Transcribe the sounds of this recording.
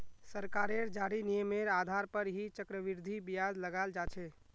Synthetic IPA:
səɾkaɾeɾd͡ʒaɾinijəmeɾad̪ʱaɾpəɾɦit͡ʃəkɾəʋiɾd̪ʱibijazləɡald͡ʒat͡ʃʰɛ

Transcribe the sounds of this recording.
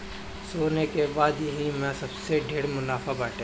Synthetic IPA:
soːnekebaːd̪jɐɦimɛ̃sɐbseɖʱeːɽmʊnaːfabɛːʈʰẽ

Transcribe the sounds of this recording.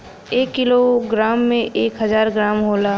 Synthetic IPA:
eːkːɪloɡɾaːmːẽʔeːkɦəzaːɾɡɾaːmɦoːlaː

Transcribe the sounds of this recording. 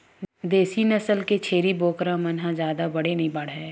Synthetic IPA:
d̪eːsinɐsəlket͡ʃʰeːɾiboːkɾãmɐnɦãd͡ʒjaːd̪abɐɽenĩbɐɽ̤ɦɛ

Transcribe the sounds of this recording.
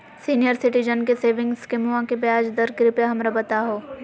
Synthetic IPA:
siːnijəɾsɪʈid͡ʒənkeseːʋɪ̃ŋɡskɪmuãkebjaːd͡ʒd̪ɐɾɡɾɪpeɦɐmɾabɐt̪aɦoː

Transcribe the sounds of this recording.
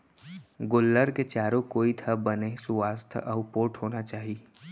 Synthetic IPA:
ɡolːəɾket͡ʃaːɾõkoːit̪ʰəbənesʊwaːst̪ʰɔːpoːʈʰɦoːnat͡ʃaːɦi

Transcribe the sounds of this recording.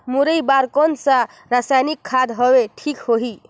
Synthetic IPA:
muɾəjbaɾkɔnsã | ɾasajnikʰːad̪ɦɔweʈʰikɦoɦi

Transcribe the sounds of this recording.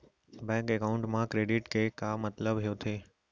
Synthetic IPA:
bɛ̃ŋkekaʊ̃ɳʈmãkɾeːɖɪʈkʰekamːət̪ləbɦejõt̪ʰeː

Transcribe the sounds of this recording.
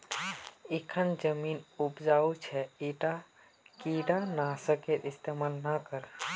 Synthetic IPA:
ekʰənd͡ʒəminupd͡ʒaut͡ʃʰɛiʈa | kiɖanasəket̪ɪst̪emalnakəɾ

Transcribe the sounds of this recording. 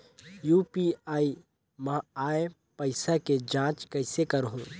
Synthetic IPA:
juːpiaːi | mãaːe | pəɪsaked͡ʒãːt͡ʃkəɪsekəɾɦõ

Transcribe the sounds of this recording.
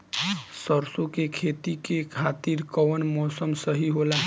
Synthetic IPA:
səɾsokekʰet̪ikekʰat̪iɾkɔʋənmɔsəmsəɦiɦola

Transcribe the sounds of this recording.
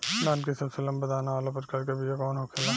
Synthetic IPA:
laːnkisɐbselɐ̃mbɐd̪aːnaʋaːlap̬ɐɾkɐɾkebʱijekɔːnɦoːkʰɪlaː

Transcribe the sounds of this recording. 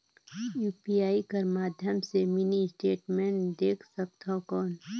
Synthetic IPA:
juːpiaːikɐɾmaːd̪ʱjəmsemɪnisʈeːʈmẽːɳʈd̪eːkʰsəkt̪ʰakɔːn

